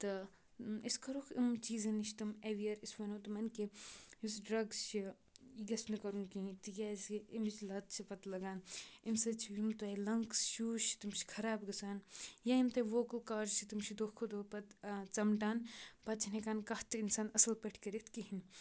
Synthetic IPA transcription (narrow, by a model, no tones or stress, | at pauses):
t̪ɨ | iskʰɐɾukʰimt͡ʃiːzɐniʃt̪ɨmeʋijɐɾisʋɐnoːt̪ɨmɐnkeisɖɾɐɡzt͡ʃʰi | iɡɐsnɨkɐɾunkiĩt̪ɨjasimt͡ʃlɐt̪̚t͡ʃʰipɐt̪lɐɡaːnimsɐt͡ʃʰiimt̪ɐjlɐŋksʃuːʃt̪imt͡ʃi̥kʰɐɾaːbɡɐsaːnjaimt̪ɐʋoːkɐlkaːɾzt͡ʃʰit̪imʃʰid̪oːkʰod̪opɐt̪t͡sɐmʈaːnpɐt̪̚t͡ʃʰinekaːnkɐht̪ɨinsaːnɐsɐlpɐʈʰkɐɾet̪ʰkiɦin